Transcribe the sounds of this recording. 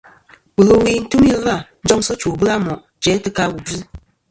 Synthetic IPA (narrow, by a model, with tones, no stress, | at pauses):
wu˨lo˨wi˨n̩˦tu˦m˦i˦lla˦˨n̩˦d͡ʒɔ˦ŋsɔ˦t͡ʃu˨bɨ˦la˦mɔ˨ʔ | d͡ʒɛ˨˦tɨ˦ka˦wu˨bi˦